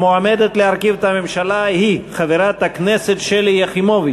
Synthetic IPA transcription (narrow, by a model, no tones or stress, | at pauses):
moamed̪et̪leaɾkivt̪amemʃalahiχaveɾat̪akneset̪ʃeljaχimovi